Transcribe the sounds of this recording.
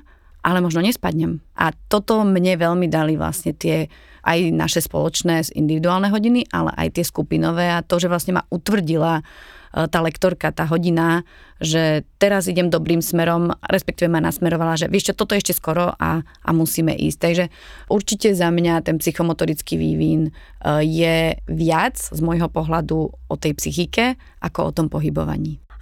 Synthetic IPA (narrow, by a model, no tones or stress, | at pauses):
ʔalɛmɔʒnɔɲɛspad̪ɲɛmʔa̰t̪ɔt̪ɔmɲɛʋɛʎmid̪aliʋla̰sɲɛt̪ɪɛ | ʔajna̰ʃɛspɔ̰lɔt͡ʃnɛːzḭnd̪iʋid̪uaːlnɛɦɔɟiniʔa̰lɛ̰ʔa̰jt̪ɪɛskupinɔʋɛːat̪ɔʒɛʋlasɲɛma̰ʔut̪ʋr̩ɟila | t̪aːlɛkt̪ɔɾkat̪aːɦɔɟina | ʒɛt̪ɛɾaziɟɛmd̪ɔbɾiːmsmɛɾɔmɾɛspɛkt̪iːʋɛmana̰smɛɾɔʋalaʒɛʋɪɛʃt͡ʃɔt̪ɔt̪ɔɛʃcɛskɔɾɔʔa̰ | ʔa̰musiːmɛ̰ʔḭːsc̚t̪aɡʒɛ | ʔuɾt͡ʃicɛzamɲat̪ɛnpsixɔmɔt̪ɔɾit͡skiʋḭʋiːn | jɛʋɪad͡zzmɔjɦɔpɔɦlad̪uɔt̪ɛjpsixikɛ | ʔakɔɔ̰t̪ɔmpɔɦibɔ̰ʋa̰ɲiː